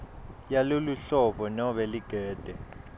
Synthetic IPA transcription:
jaloluɬɔɓɔnɔɓɛliɡ̥ʱɛːd̥ʱɛ

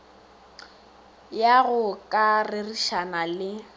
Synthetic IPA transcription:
jaɣʊkʼarɪriʃanalɪ

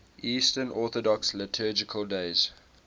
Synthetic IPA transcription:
ʔiːstənʔɔˑθɔdɔkslɪtʰɜːd͡ʒɪkʰəlˠdeɪz̥

